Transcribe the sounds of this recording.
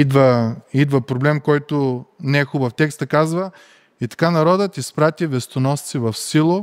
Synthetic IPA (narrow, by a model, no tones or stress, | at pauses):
id̪vəid̪vəpɾoblɛmkɔjt̪onɛɛxubəft̪ɛkst̪əkazvə | it̪ɐ̥kanɐɾɔd̪ət̪ispɾat̪ivɛst̪onɔst̪sivɐfsilˠo